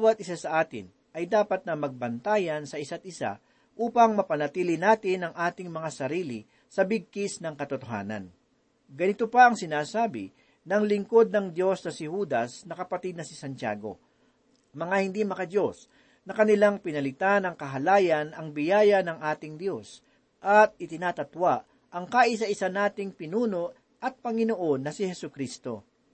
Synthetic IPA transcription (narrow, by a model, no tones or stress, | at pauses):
bawɐt̪ʔɪsasɐʔaːt̪ɪ̰n | ʔɐjd̪aːpɐt̪̚nɐmɐɡ̚bɐnt̪aːjɐnsɐʔɪsat̪̚ɪsa̰ | ʔuːpɐŋmɐpɐnɐt̪iːlɪnaːt̪ɪnɐŋʔaːt̪ɪŋmɐŋasɐɾiːlɪ | sɐbɪɡ̚kɪsnɐŋkɐt̪ʊt̪oɦa̰ːnɐ̰n | ɡɐnɪt̪opɐɐŋsɪnaːsaːbɪ̰ | nɐŋlɪŋko̞d̪̚nɐŋd̪jo̞snɐsɪhuːd̪ɐsnɐkɐpɐt̪id̪̚nɐsɪsɐnt͡ʃa̰ːɡo̞̰ | mɐŋahɪnd̪imɐkɐd̪jo̞s | nɐkɐnɪlaŋpɪnɐlɪt̪anɐŋkɐɦɐlaːjɐnɐŋbɪjaːjɐnɐŋʔaːt̪ɪŋd̪jo̞s | ʔɐt̪̚ɪt̪ɪnaːt̪ɐt̪waʔ | ʔɐŋkaʔɪs̬ɐʔɪsanaːt̪ɪŋpɪnuːno̞ʔ | ʔɐt̪̚pɐŋɪnoʔo̞nːɐsɪhɛsʊkɾiːst̪o̞̰